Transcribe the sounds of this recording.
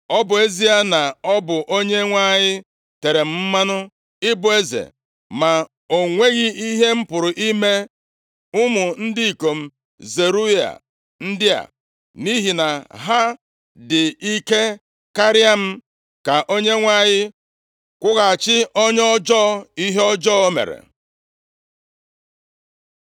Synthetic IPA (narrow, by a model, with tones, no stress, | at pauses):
ɔ˦bʊ˨e˦zi˦a˦na˨ɔ˦bʊ˨ʔo˦ɲe˦ŋʷa˦ɲɪ˦ | te˨ɾe˨m̩˦m̩˦ma˦nʊ˦ | ɪ˦bʊ˨e˦zḛ˨ | ma˨ | o˨ŋʷe˦ɣi˦i˦ɦe˦m̩˦pʊ˨ɾʊ˨ʔi˦me˦ | ʊ˦mʊ˨n̩˦dɪ˦i˨ko˨m̩˦ | ze˨ɾu˦ja̰˨ | n̩˦dɪ˦a̰˨ | ni˦ɦi˨na˨ɦa˦ | dɪ˨i˦ke˦ | ka˦ɾɪ˦a˦m̩˦ | ka˨ʔo˦ɲe˦ŋʷa˦˨ɲɪ˦ | kʷʊ˦ɣa˨a˨t͡ʃɪ˦ɔ˦ɲɔ˦d͡ʒɔ˦i˦ɦe˦ɔ˦d͡ʒɔ˦o˦mḛ˨ɾḛ˨